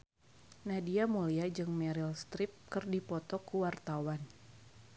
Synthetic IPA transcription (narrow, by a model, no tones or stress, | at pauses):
nahdiamuliad͡ʒɨŋmɛɾilst̪ɾɪp̚kɨrdipɔt̪ɔkuwart̪awan